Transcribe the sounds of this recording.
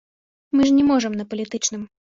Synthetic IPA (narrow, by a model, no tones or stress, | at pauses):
mɨʐnʲɛmɔʐɐmnɐpɐlʲit̪ɨt͡ʂnɨm